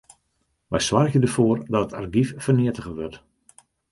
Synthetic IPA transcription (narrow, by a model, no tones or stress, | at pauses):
ʋɛjsʋarɣədərfoːrdɔtətʰarɡiffərnɪətəɣəʋørt